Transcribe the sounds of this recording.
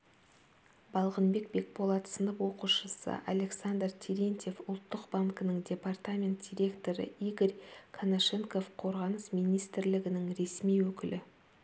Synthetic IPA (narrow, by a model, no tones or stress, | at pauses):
bɑlˠʁənbe̞k̚be̞k̚bo̞lˠɑt̪sənəpwo̞quʃəsə̰ʔale̞ksand̪rt̪ʲʰiɾʲent̪ʲe̞fʊlˠt̪ːəqbaŋkənəŋdʲe̞part̪amʲe̞nt̪̚d̪̥ʲijɾʲe̞kt̪o̞ɾə̰ijɡoɾʲkʰanaʃe̞ŋko̞fqʰo̞ɾʁɑnəsmijnijst̪ɪɾlɪɡʲɪnɪŋɾe̞smijwɵkʲɪlɪ